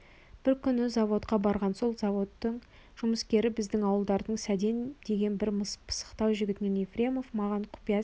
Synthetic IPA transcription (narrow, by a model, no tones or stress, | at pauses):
b̥ɪɾkʲʰʏnɪzɑvo̞t̪qɑbɑɾʁɑnso̞lˠzɑvo̞t̪ːəɴ | ʒ̥ʊməskʲe̞ɾɪbɪzd̪ɪŋɑwəlˠd̪ɑɾd̪əɴsæd̪e̞nd̪e̞ɡʲe̞nbɪɾmpʰə̥sə̥qt̪ɑwʒʏɡʲɪt̪ɪnenefrʲe̞mo̞vmɑʁɑɴqʰʊ̥pijɑ